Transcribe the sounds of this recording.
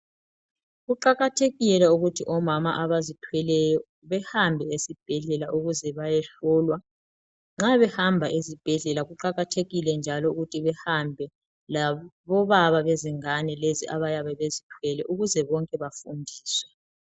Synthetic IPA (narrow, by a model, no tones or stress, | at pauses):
ɣuǃaɣatʰeɣiɛlɛuɣutʰiʔɔmama̰ʔaβazitʰwɛlɛjɔ | βɛhambʱɛesib̥ʱɛɮɛlaʔuɣuzɛβajɛɬɔːlwa | ŋ͡ǁaβɛhambʱaʔezib̥ʱɛɮɛlaɣuǃaɣatʰeɣilɛnd͡ʒʱalɔuɣutʰiβɛhambʱɛ | laβɔβaβaβeziŋanɛleziʔaβajaβɛβezitʰwɛlɛʔuɣuzɛβɔŋkʼɛβafundʱiːswɛ